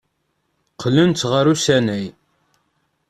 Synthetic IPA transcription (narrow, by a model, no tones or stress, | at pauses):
qʰːlənt͡s̪ʁəɾusænæj